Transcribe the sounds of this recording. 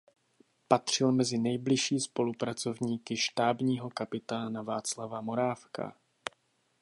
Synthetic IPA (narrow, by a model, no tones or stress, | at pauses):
pat̪r̝̥ɪlmɛzɪnɛjblɪʃiːspo̞lupɾat͡so̞vɲiːkɪʃt̪aːbɲiːɦo̞kapɪt̪aːnavaːt͡slavamo̞ɾaːfkʰa̰